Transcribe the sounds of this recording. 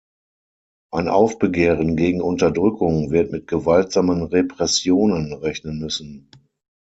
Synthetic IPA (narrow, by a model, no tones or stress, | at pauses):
ʔaɪnʔa̰ʊfb̥əɡeːʁənɡeːɡŋ̩ʊntɐdʁʏkʰʊŋvɪɐtmɪt̚ɡ̥əvaltz̥aːmənʁepʁ̥ɛsjoːnənʁɛçnənmʏsn̩